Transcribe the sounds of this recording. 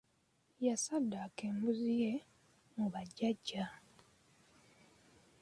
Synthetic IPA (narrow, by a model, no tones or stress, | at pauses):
jasadːaːkeːmbuzije̞ | muβaɟːaɟːa